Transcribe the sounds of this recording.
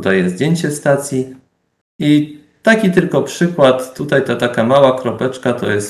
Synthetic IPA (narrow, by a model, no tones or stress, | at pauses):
d̪ajɛzd̪ʲjeɲt͡ɕɛst̪at̪sʲji | i | t̪akʲit̪ɘlkɔpʂɘkwat̪ːut̪ajt̪at̪akamawakɾɔpɛt͡ʂkat̪ɔ̰jɛs